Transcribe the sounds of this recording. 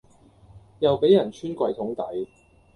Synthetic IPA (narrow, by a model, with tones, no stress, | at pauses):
jɐ˨wpe˨˥jɐ˨˩nt͡ʃʰyː˥nkʷɐ˧jt̪ʰʊ˨˥ŋt̪ɐ˨˥j